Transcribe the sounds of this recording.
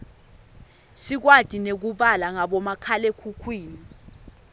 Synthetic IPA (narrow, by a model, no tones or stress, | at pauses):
sik̬wad̥ʱʼinek̬uɓalaŋaɓɔmakʰalekʰukʰwiːni